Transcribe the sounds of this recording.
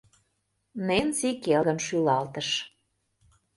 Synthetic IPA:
nensikelɣə̆nʃylɑlt̪ə̆ʃ

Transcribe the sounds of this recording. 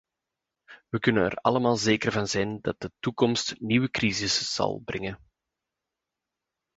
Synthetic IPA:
ʋəkɵnənɛ̰rɑ̰ləmaːlˠzeːkərvɑnzɛndɑt̚d̥ətukɔmstniwəkrizɪsz̥ɑ̰lˠbrʔɛŋən

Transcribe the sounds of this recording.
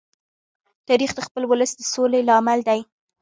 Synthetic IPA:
t̪ɑɾixd̪əxpəlwʊləsd̪əsolelɑmald̪aj

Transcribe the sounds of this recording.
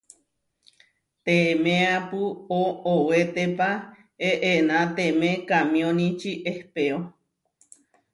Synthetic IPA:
t̪emẽapɨoowet̪epa | eʔenãt̪emẽkamĩõnĩt͡ʃiʔehpeo

